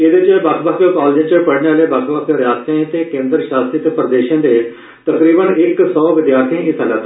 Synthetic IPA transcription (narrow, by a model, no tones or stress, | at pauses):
ed̪eːt͡ʃəbəkʰbəkəkaːld͡ʒẽt͡ʃəpəɽneaːleːbakʰbəkːɾɪjaːst̪ẽt̪eːkẽːnd̪əɾʃaːst̪ɾit̪eːpɾəd̪eːʃãːd̪eː | t̪əkɾiːbənɪksɔːʋɪd̪jaːɾt̪ʰiẽɪsəlaːt̪ː